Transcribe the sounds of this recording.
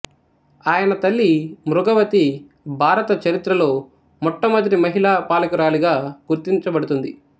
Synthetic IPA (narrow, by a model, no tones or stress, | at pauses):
aːjɐnɐt̪ɐlːimɾuɡɐʋɐt̪i | bʱaːɾɐt̪ɐt͡ʃɐɾit̪ɾɐlo̞ː | mɔʈːɐmɐd̪ɾimɐɦilaːpaːlɐkuɾaːliɡaːɡuɾt̪iɲt͡ʃɐbɐɽut̪und̪i